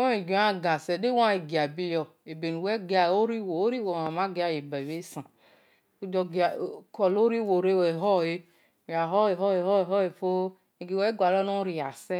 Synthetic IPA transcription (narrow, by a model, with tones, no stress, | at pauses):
o˦e˨ɡĩ˨˦a˦ɡa˨sɛ˨de˦wã˦e˨ɡi˨a˨bi˦ɔ˨e˨be˨nu˨wɛ˦ɡa˨o˦ɾi˦wo˨o˦ɾi˦wo˨a˨mã˦ɡe˦a˨je˨ba˨be˦sã˨ | u˦dɔ˦ɡa˨kɔ˨lo˦ɾi˦wo˨ɾe˦wɛ˨ɦɔ˦je˦ | i˨a˨ɦɔ˦e˨ɦɔ˦e˨ɦɔ˦e˨ɦɔ˦e˨fo˦ | e˨ɡi˨wɛ˦ɡʷa˨lɔ˦no˦ɾi˨a˨sɛ˦